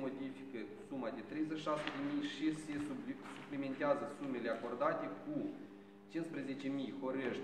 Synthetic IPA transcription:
o̞d̪ifi̥kə | sumad̪et̪ɾe̞jzeʃʃasəd̪emijʃisesuplime̞nt̪eazəsume̞leako̞rd̪at̪e̞ku | t͡ʃinspɾeze̞t͡ʃe̞mijho̞ɾeʃʲ

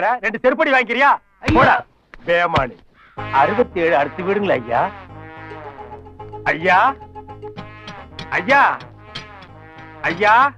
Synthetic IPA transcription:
ɾaɾɛɳɖɯsɛɾɯp̬ɐɽiʋaːŋɡɪɾɪjaː | poːɽaː | beːma̰ːɳi | ɐɾɯʋɐt̪ːeːɻɯɐɽɯt̪ːɯʋɪɽɯŋɡlɐɐjːaː | ɐjːaː | ɐjːaː | ɐjːaː

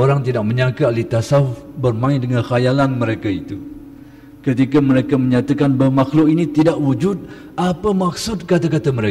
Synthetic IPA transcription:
oɾaŋt̪idaʔ̚mə̃ɲãkalit̪asaufbərmãɪdəŋãnxajalanməɾekait̪u | kət̪ikaməɾekamə̃ɲat̪akanbərmaxlʊʔinĩt̪idaʔwud͡ʒʊt̪̚ | apamak̚sʊd̪̚kat̪akat̪aməɾe

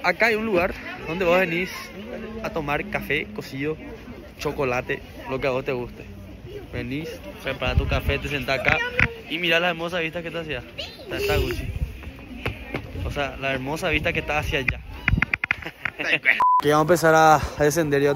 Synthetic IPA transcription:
akaajunluɣaɾðo̞nd̪eβohβenisat̪omaɾkafekosiðo | t͡ʃo̞kolat̪e | lo̞keaβost̪eɣust̪e | βenisoseapaɾat̪ukafet̪es̬ent̪aakaimiɾalaeɾmos̬aβiht̪ahket̪asia | seaeht̪aɣut͡ʃi | osealaeɾmosaβiht̪akeht̪aːsiad͡ʒa | keβamompesaɾaðes̬end̪eɾja

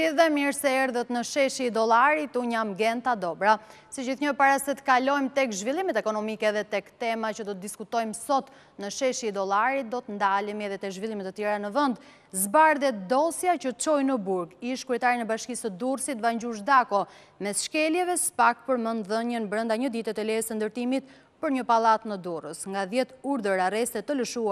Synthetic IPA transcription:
iðɛmiɾsɛɛɾðət̪nəʃɛʃiːd̪ɔlˠaɾit̪uɲamɡɛnt̪ad̪ɔbɾa | sid͡ʑiθɲəpaɾasɛt̪ə̥kalɔjmt̪ɛkʒvilˠimɛt̪ɛkɔnɔmikɛðɛt̪ɛkt̪ɛmat͡ʃəd̪ɔt̪̚d̪iskut̪ɔjmsɔt̪ | nəʃɛʃiːd̪ɔlˠaɾit̪̚d̪ɔt̪ənd̪alimɛðɛt̪ɛkʒvilˠimɛt̪ət̪jɛɾanəvənd̪ | zbaɾðɛt̪d̪ɔsjacət͡ʃɔjnəbuɾɡiʃkɾɛt̪aɾinɛbaʃkisəd̪ursit̪vaɲd͡ʑuʃd̪akɔ | mɛsʃkɛljɛvɛsə̥pak̚pəɾmənðəɲənbɾənd̪aɲəd̪it̪ɛt̪əlɛsənd̪əɾt̪imit̪ | pəɾɲəpalˠat̪nəd̪urəsŋɡaðjɛt̪uɾðəɾarɛst̪ɛt̪ːələʃua

